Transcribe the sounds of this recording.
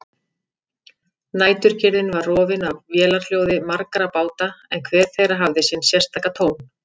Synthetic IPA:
naːjt̪ʏɾ̥cʰɪɾðɪnvarrɔːvɪnavvjɛːlaɾ̥ljowðɪmaɾkaɾapaːwt̪aɛnkʰvɛːɾ̥θejrɾaɦavðɪsjɛnsjɛr̥t̪ʰaːkat̪ʰoːwn

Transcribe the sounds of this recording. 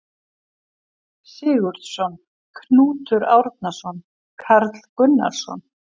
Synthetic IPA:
sɪːɣʏɾt̪sɔn | kʰnuːt̪ʏɾawɾt̪̚nasɔn | kʰaɾt̪l̥kʏnːa̰ɾ̥sɔ̰n

